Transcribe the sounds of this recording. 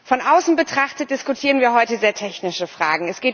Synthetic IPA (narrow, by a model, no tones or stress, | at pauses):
fɔnʔaʊsn̩bətʁ̥aχtət̚d̥ɪskutʰiːʁənviːɐɦɔʏtəzeːɐtʰɛçnɪʃəfʁ̥a̰ːɡŋ̩ɛsɡ̥eːt